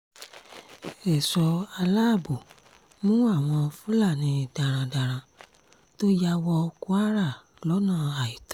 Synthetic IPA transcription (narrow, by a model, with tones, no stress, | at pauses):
ɛ˨sɔ˧a˧la˦˨bo˨ | mũ˦a˦˨w̃ɔ̃˧fũ˦la˦˨nĩ˨˦da˨ɾ̃ã˧da˨ɾ̃ã˧ | to˦ja˧wɔ˧ku˦a˦ɾa˦˨ | lɔ˨˦nã˦˨a˨i˨tḁ̃˨˦